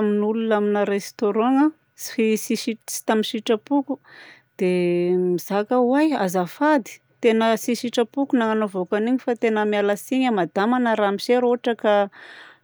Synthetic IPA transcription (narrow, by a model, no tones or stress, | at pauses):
minulunaminəɾest̪oɾɔ̃ŋa | si̥fisiʃisi̥t̪amiʃiʈ͡ʂəpukud̪̥emiz̥akəwajazafad̪i̥ | t̪enəsiʃiʈ͡ʂəpukunaŋanovokaniɲifat̪enəmjalasiɲəmad̪amanəɾamiʃeɾoɦaʈ͡ʂaka